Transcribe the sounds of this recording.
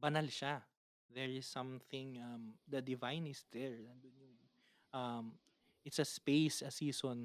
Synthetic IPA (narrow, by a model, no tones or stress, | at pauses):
bɐnalʃa | ðɛɹɪsːɐ̃mθɪ̃ŋɐmd̪ɐd̪ɪvajnɪsd̪ɛɹnɐnd̪onjʊŋ | ʔɐm | ʔɪt̪sɐspejsɐsiːson